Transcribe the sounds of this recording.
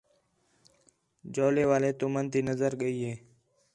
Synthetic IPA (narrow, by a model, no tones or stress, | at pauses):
d͡ʒoːleːʋaːleːt̪umənt̪iːnəzəɾɠəiːɦeː